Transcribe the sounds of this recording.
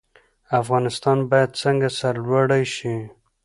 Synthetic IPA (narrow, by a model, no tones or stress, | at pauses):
afɣɑnɪst̪ɑnbɑjad̪t͡səŋɡasaɾlwaɽajʃi